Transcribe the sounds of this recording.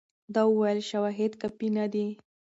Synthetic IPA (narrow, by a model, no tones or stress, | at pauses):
d̪ɑwəwajəlʃawaɦed̪kapinad̪i